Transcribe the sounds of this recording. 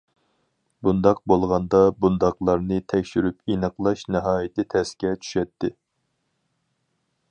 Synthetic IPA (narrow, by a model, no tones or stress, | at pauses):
bund̪ɑq̚bolˠʁɑnd̪ɑbund̪ɑqlˠɑɾnɨt̪ʰɛkʲʃyɾypinəqlˠɑʃnɨɦɑːjit̪ʰɪt̪ʰɛskʲɛt͡ʃʰy̥ʃɛt̪ʰːɪ